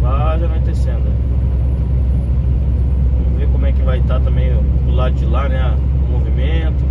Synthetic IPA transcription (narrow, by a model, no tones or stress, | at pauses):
aaʒɐnõt̪esẽnd̪ʊ | vɐ̃mʊvekõmʊɛkɪvajt̪at̪ɐ̃mbẽj̃ | pʊlad̪ʊd͡ʒɪlanɛ | movimẽt̪ʊ